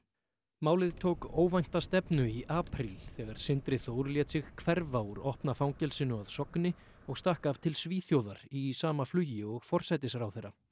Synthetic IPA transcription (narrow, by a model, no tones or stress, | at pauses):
maːwlɪðt̪ʰowkoːwvajn̥t̪ast̪ɛpnʏiʔaːpʰɾilθɛːɣaɾ̥sɪnt̪ɾɪθoːwɾljɛːt̪sɪɣkʰvɛɾvauɾɔhpnafawŋcɛlsɪnʏaðsɔknɪ | ɔɣst̪ahkav̥t̪ʰɪlsviːθjowðaɾisaːmaflʏjɪɔɣfɔr̥sajt̪ɪsɾawθejrːa